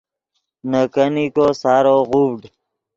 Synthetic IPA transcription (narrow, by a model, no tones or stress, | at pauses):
nəkənikosaɾoɣubɖ